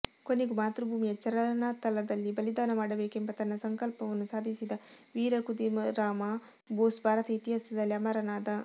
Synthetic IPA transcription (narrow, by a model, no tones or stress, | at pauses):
ko̞neɡumaːt̪ɾubʱuːmijɐt͡ʃɐɾɐlɐnaːt̪ɐlɐd̪ɐlːibɐlid̪aːnɐmaːɽɐbeːke̞mbɐt̪ɐnːɐsɐŋkɐlpɐʋɐnːusaːd̪ʱisid̪ɐʋiːɾɐkud̪imɐɾaːma | boːsbʱaːɾɐt̪ɐit̪iɦɐsɐd̪ɐlːiɐmɐɾɐnaːd̪ɐ